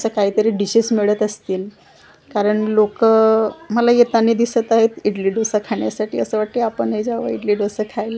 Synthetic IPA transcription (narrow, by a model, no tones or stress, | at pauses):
səkaɦiːt̪əɾiːɖiɕismeɭət̪əst̪iːl | kaɾəɳlokəməlajet̪anid̪isət̪aɦet̪iɖliːɖosakʰaɳjasaʈiːəsəʋaʈ̪ːiapəɳəjd͡ʑaʋa̰iɽliɖosəkʰajlə